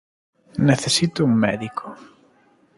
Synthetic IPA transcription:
neθesit̪ʊuŋmɛ̰ðikʰo̥

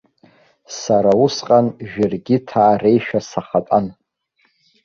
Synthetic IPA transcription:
saɾausqʼanʒᶣɪrɡʲɪtʰaːre̞jʃᶣasaχatʼan

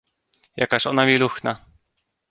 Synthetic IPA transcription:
ja̰kaʃɔnamiluxna

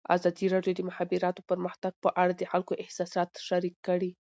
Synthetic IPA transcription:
a̰zɑd̪iɾɑɖjod̪əmʊxɑbiɾɑt̪opəɾməxt̪aɡ̥̚pəʔaɽad̪əxalkoʔɪhsɑsɑt̪ʃaɾikːəɽi

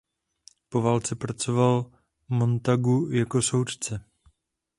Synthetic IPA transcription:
po̞vaːlt͡sɛpɾat͡so̞val | mo̞nt̪aɡujako̞so̞wt̪t͡sɛ

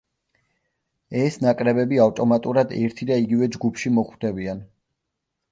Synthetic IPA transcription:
ɛsnakʼɾɛbɛbiavt̪ʼɔmat̪ʼuɾad̪ɛɾt̪ʰid̪aiɡivɛd͡ʒɡupʰʃimɔχwd̪ɛbian

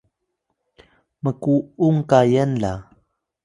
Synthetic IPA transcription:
məkuuŋkajənɮa

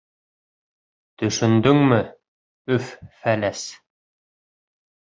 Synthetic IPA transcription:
t̪ɵ̆ʃɵ̆nd̪ɵŋmɘ | ɵffælæs

